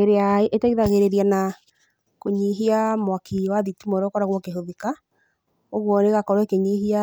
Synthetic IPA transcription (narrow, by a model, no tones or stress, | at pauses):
eɾeaeʔetaiðaɣeɾeɾana | koɲiɦiamwakiwaðitumɔɾɔkɔɾaɣwɔkeɦoðika | oɣwɔneɣakɔɾwɛkeɲiɦia